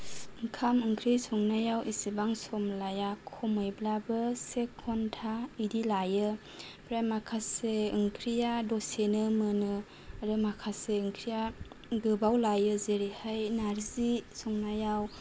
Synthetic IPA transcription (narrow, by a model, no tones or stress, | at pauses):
ɯŋkʰamɯŋkʰɾisɔŋnajawʔisibaŋsɔmlajakʰɔmɔjblabɯsekʰːɔntʰaidilajɯ | pʰɾajmakʰaseɯŋkʰɾijadɔsenɯmɯnɯ | ɾɯmakʰaseɯŋkʰɾija | ɡɯbawlajɯzeɾihajnaɾzisɔŋnajaw